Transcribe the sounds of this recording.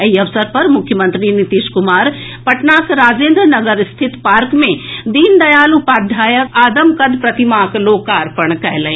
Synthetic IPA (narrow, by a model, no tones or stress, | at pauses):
ɐɦiɐʋsəɾpɐɾmʊkʰjəmə̃nt̪ɾinɪt̪iːʃkʊmaːɾpɐʈnaːsɾaːzẽːnd̪ɾnɐɡəɾɪst̪ʰɪt̪paːɾkmẽd̪iːnd̪ɐjaːlupaːd̪ʱaːjəkaːd̪ɐmkɐd̪pɾɐt̪imaːkloːkaːɾpɐɳ̃kɐɦelɐẽ